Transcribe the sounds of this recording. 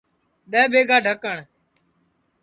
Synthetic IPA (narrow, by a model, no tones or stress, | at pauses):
ɗ̪ɛːbʱeːɡaːɖʱəkəɳ